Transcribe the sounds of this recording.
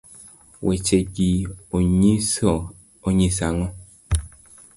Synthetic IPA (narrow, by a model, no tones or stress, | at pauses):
wɛt͡ʃeɡiɲi | oɲisaŋɔ